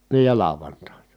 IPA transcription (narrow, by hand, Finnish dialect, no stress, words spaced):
niː jɑ lɑˑoʋɑntɑˑinɑ